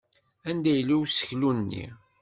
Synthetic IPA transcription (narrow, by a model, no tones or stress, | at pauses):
ænd̪æjlːiwsə̥çlunnːḭ